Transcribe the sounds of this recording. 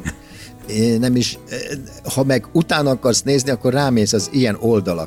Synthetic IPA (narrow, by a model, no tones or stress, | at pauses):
enɛmiʃ | hɒmɛɡut̪aːnɒkɒrsneːzniɒkːo̞raːmeːsɒzijɛno̞ld̪ɒlɒ̰